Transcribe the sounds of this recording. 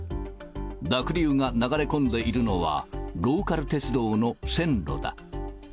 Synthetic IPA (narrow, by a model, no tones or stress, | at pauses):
d̪akɯ̟ɾʲɯːŋanaɡaɾe̞kõ̞nd̪e̞ʔiɾɯ̟no̞βa̰ɾo̞ːkaɾɯ̟t̪e̞t͡sɨd̪o̞ːno̞sẽ̞nɾo̞̰d̪a̰